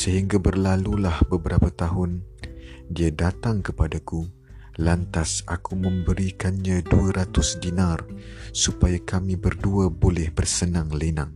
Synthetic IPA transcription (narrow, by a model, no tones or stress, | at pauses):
səɦiŋɡabərlalulahbəbəɾapat̪aɦʊn | diadat̪aŋkəpadaku | lant̪asa̰kumə̃mbəɾikanɲãduaɾat̪ʊsdinarsupajakamĩbərduabolɛhbərsənãŋlenaŋ